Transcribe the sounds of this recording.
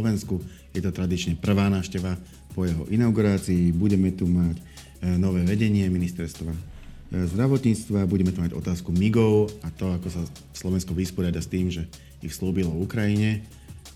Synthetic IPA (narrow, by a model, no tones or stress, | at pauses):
lɔʋɛnsku | jɛt̪ɔt̪ɾad̪it͡ʃɲɛpr̩ʋaːnaːʊʃcɛʋa | pɔjɛɦɔʔinaʊɡuɾaːt͡siːbuɟɛmɛt̪umac | nɔʋɛːʋɛɟɛɲɪɛminist̪ɛɾst̪ʋa | zd̪ɾaʋɔt̪ɲiːt͡st̪ʋabuɟɛmɛt̪umaɟɔ̰t̪aːskumiɡɔʊat̪ɔakɔsa | slɔʋɛnskuʋispɔɾɪad̪ast̪iːmʒɛ | ixsluːbilɔukɾajiɲɛ